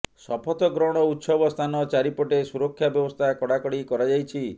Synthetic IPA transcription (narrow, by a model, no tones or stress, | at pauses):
sɔpʰɔt̪ɔɡɾɔɽ̃ɔutːsɔbɔst̪ʰanɔt͡ʃaɾipɔʈesuɾɔkʰːjabjɔbɔst̪ʰakɔɽakɔɽikɔɾad͡ʒajt͡ʃʰi